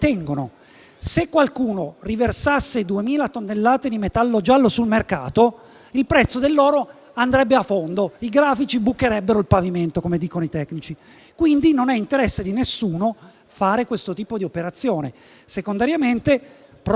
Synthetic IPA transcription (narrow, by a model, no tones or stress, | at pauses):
t̪ɛŋɡono̰ | sekːwalkuːnoriversasːed̪uemiːlat̪onːelːaːt̪ed̪imet̪alːod͡ʒalːosulmerka̰ːt̪o | ilpɾɛt̪sːod̪elːoːɾo | and̪ɾɛbːeafːond̪oiɡɾaːfit͡ʃibukːeɾɛbːeɾoilpaviment̪okomed̪iːkonoit̪ɛkːnit͡ʃi | kwind̪inonɛint̪eɾɛsːed̪inesːuːno | faːɾekwest̪ot̪iːpod̪iopeɾat̪sːjoːnḛ | sekond̪aɾjament̪e | p